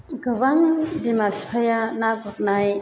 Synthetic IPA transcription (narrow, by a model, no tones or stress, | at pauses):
ɡɯβaŋdimaɾspʰajanaɡɔk̚naj